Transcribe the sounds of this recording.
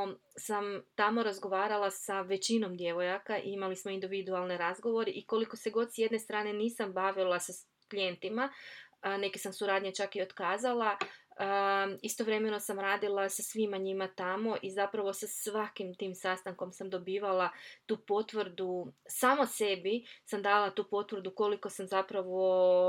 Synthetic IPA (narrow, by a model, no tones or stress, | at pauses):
samt̪amo̞ɾazɡo̞ʋaːɾalˠasaʋe̞t͡ɕino̞md̪je̞ʋo̞jakaʔimalismo̞ind̪iʋid̪ualˠneɾazɡo̞ʋo̞ɾiʔiko̞liko̞se̞ɡo̞d̪sje̞d̪ne̞st̪ɾaːne̞niːsambaʋilˠasa | klije̞nt̪ima | nekesamsuɾaːd̪ɲet͡ʃakio̞t̪kaːzalˠa | ist̪oʋɾe̞me̞no̞samɾaːd̪ilˠasasʋimaɲimat̪amo̞ʔizapɾaʋo̞sasʋakimt̪iːmsast̪aŋko̞msamd̪o̞biːʋalˠat̪uːpo̞t̪ʋɾd̪usaːmose̞bisamd̪alat̪uːpo̞t̪ʋɾ̩d̪uko̞liko̞samzapɾaʋo̞